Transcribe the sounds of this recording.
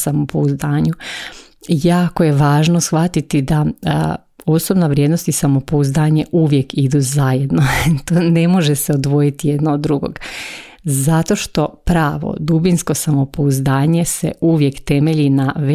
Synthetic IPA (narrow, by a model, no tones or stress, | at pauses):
samopouzd̪aːɲu | jaːkoje̞ʋaːʒnosxʋat̪it̪id̪a | o̞sobnaʋɾʲjed̪nost̪isamo̞pouzd̪aːɲe̞ʔuʋje̞kid̪uzajed̪not̪oːne̞mo̞ʒeseod̪ʋo̞jit̪ije̞d̪nood̪ːɾuɡo̰ɡ | zat̪o̞ʃt̪o̞pɾaːʋo̰d̪ubinsko̞samo̞pouzd̪aːɲe̞sḛʔuʋje̞kt̪e̞meʎinaʋe